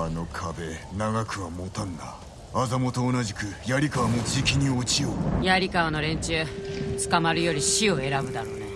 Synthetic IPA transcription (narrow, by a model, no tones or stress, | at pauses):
ano̞kʰabe̞naɡakɯ̟βamo̞t̪ãnd̪aː | zamo̞t̪o̞ːnaʑikɯ̟jaɾʲikaβamot͡sikʲiɲ̟iot͡ɕiojaɾʲikaano̞ɾẽ̞ɲ̟t͡ɕɨːt͡sɨ̥kamaɾɯ̟jo̞ɾʲiɕio̞e̞ɾabɯ̟d̪aɾo̞ːne